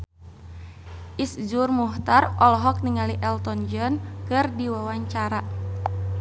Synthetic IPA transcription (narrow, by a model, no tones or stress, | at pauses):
ʔisd͡ʒurmuht̪arɔlɦɔk̚niŋaliʔɛlt̪ɔnd͡ʒɔnkɨrdiwawaɲt͡ʃaɾa